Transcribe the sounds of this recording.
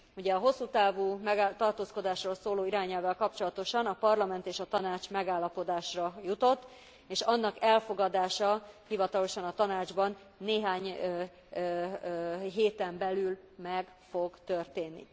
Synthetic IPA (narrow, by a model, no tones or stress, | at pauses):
uɟɛɒɦo̞sːuːt̪aːvuːmɛɡt̪ɒrt̪oːskod̪aːʃroːlsoːloːiɾaːɲɛlvɛlkɒpt͡ʃo̞lɒt̪o̞ʃɒnɒpɒrlɒmɛnt̪eːʃɒt̪ɒnaːt͡ʃmɛɡaːlːɒpo̞d̪aːʃrɒjut̪o̞t̪ː | eːʃɒnːɒkɛlfo̞ɡɒd̪aːʃɒhivɒt̪ɒlo̞ʃɒnɒt̪ɒnaːd͡ʒbɒnː | eːɦaːɲ | ɦeːt̪ɛmbɛlyl | mɛɡfo̞ɡt̪ørt̪eːnːḭ